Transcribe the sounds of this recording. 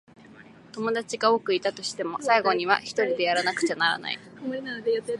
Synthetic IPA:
t̪o̞mo̞d̪at͡ɕiɡaoːkɯ̟it̪at̪o̞ɕi̥t̪e̞mo̞saiɡo̞ɲ̟iβa̰çi̥t̪o̞ɾʲid̪e̞jaɾanakɯ̟̥t͡ɕanaɾa̰na̰ḭnad̪ejat̪ːe

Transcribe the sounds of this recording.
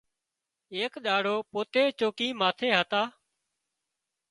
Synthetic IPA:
eːkɗaːɽoːpoːt̪eːt͡ʃoːkiːmaːt̪ʰeːɦət̪aː

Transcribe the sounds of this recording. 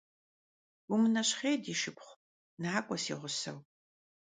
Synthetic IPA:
umɨnɐɕχeːdiːʃɪpχʷ | naːkʷʼɔsḭːʁʷʊsɐ̰w

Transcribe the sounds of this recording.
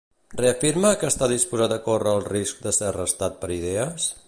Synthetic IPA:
rreəfiɾməkəːst̪aðispuzat̪əkorəːlˠrisk̚d̪əseərəst̪at̪̚pəɾiðeəs

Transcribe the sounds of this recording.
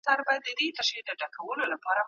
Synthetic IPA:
aɾbɑjad̪ːəd̪et̪aʃid̪aɖakʰawəlolapɑɾa

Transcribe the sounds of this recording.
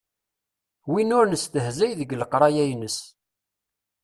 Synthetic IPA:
winʊɾnəst̪əhzæjðəɡləqɾˤɑjæjnəs

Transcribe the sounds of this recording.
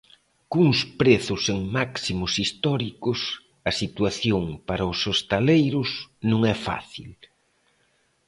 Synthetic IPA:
kuŋspɾeθʊseŋmaksimʊsist̪ɔɾikʊs | ɐsit̪waθjoŋpaɾɐʊsost̪alejɾʊsnũŋɛfa̰θḭl

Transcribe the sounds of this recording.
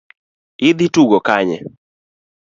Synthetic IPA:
ɪd̪ituɡɔkaɲɛ̰

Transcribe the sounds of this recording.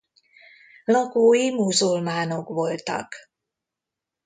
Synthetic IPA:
lɒɡoːjimuzulmaːno̞kʋo̞lt̪ɒ̰k

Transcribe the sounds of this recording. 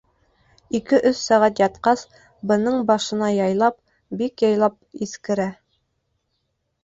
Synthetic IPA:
ikɘʔɵsːæʁæt̪̬jɑt̪qɑs | bɤ̆nɤɴbɑʃɤ̆nɑjɑjlˠɑp̚ | bikjɑjlˠɑp̚iθkɘ̆ɾæ

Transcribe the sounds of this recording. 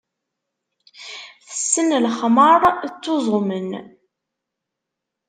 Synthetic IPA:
θə̥sːənlχməɾˤt͡sːozˤmən

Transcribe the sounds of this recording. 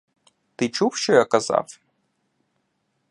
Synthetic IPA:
t̪ɪt͡ʃuwʃt͡ʃɔjakɐza̰f

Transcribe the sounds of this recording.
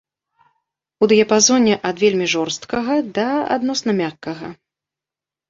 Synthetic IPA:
ud̪ɨjɐpazɔnʲɛʔɐd̪vʲelʲmʲiʐɔrst̪kɐɣɐd̪ɐa̰d̪nɔsnɐmʲakːɐɣɐ̰

